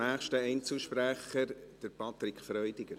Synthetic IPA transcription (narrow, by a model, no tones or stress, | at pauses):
æːχʃtəɛɪnt͡səʃpɾæχəɾd̥əɾpɑt̪ɾɪkʰfɾœʏdɪɡəɾ